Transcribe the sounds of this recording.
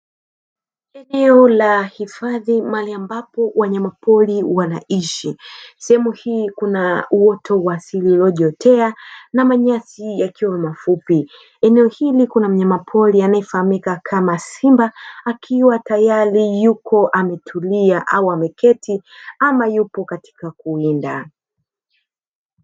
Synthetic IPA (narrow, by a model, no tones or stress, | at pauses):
ɛnɛɔlahifaðimaliambapɔwʔaɲamapʰɔliwanaʔiʃisɛhɛmuhiːkunauɔtʰɔwasililɔʄɔtʰɛanamaɲasijakiwamafupi | ɛnɛɔhilikunam̩ɲamapʰɔlianaifahamikakʰamasimbaakʰiwatajaɾijukɔʔamɛtʰuliaʔauamɛkɛtʰiamajupɔkati̥kak̚uinda